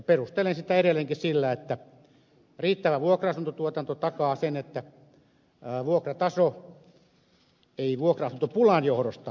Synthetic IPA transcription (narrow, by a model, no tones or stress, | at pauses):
perust̪elensit̪æeɾelːˑeŋkissilːæet̪ːæ | riːt̪ːæʋæʋuokrɑɑsunt̪ot̪uot̪ɑnt̪ot̪ɑkɑːsenet̪ːæ | ʋuokrɑt̪ɑso | eiʋuokrɑɑsunt̪opulɑnjohɾost̪ɑ